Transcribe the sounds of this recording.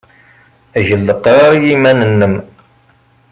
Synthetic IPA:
æʝəlːəqːɾˤɑɾˤjimænənːəm

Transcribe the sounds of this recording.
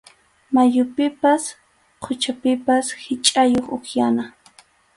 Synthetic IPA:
majʊpɪpas | qʰʊt͡ʃapɪpashɪt͡ʃʼajoχʊχjana

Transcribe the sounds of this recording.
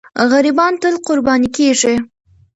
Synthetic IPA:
ɣaɾibɑnt̪əlqʊɾbɑnikeʐi

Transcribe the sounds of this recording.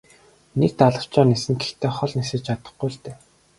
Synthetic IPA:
nek̚t̪aɮə̆wt͡ɕɔːnesɘ̆ŋɡext̪ʰeːχɔɮnisĕːt͡ɕʰat̪ə̥̆χɡuːɮt̪eː

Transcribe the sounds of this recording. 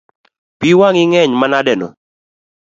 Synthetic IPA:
piwaŋɪŋɛɲmanadɛnɔ̰

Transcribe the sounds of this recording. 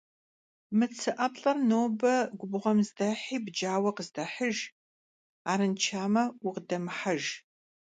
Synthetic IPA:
mɨt͡sʰɨʔɐpɬʼɐrnoːbɐɡʷʊbʁʷɐmzdɐħiːbd͡ʒaːwɐqəzdɐħəʒ | aːɾɨnt͡ʃʰaːmɐʊqdɐmħaʒ

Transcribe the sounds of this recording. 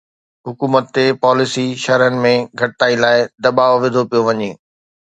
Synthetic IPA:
ɦʊkuːmət̪ːepaːlɪsiʃɐɾənɪ̆mẽɡʱɐʈɪt̪aːilaːɪd̪ɐbaːʋoʋɪd̪ʱopijoʋɐɲeː

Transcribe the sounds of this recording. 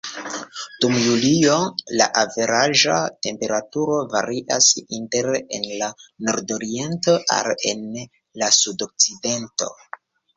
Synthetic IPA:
d̥umjuliola̰ʔave̞ɾaʒate̞mpe̞ɾatuɾo̞va̰ɾʔiʔasinte̞ɾenlano̞ɾdo̞ɾie̞ntoʔa̰ɾḛn | lasudo̞k̚t͡side̞nto̞̰

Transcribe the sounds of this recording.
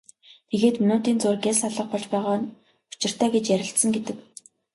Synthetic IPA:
t̪ʰeɣeːt̪mɵnoːt̪iːnt͡sʊːrɡessaɮə̆χ̚pɔɮt͡ɕpæːʁaː | u̥t͡ɕɪ̆r̥t̪ʰæːɡet͡ɕjæɾʲɪ̆ɬt̪sə̆ŋɡet̪ɘ̆k

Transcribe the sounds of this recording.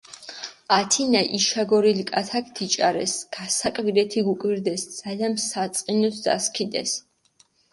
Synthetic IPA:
at̪ʰinaʔiʃaɡɔɾilikʼat̪ʰakʰt̪ʰit͡ʃʼaɾɛ̰sɡ̥asakʼviɾɛt̪ʰiɡukʼviɾd̪ɛsd̪z̥aliansat̪sʼqʼinɔsd̪a̰skʰid̪ɛ̰s

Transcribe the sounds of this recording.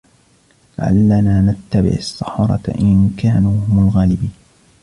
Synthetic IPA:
la̰ʕa̰lːanaːnat̪ːabɪ̰ʕʊsːɑħɾˤɑ̰t̪aʔɪnkaːnuːhʊmalɣaːlɪbiːn

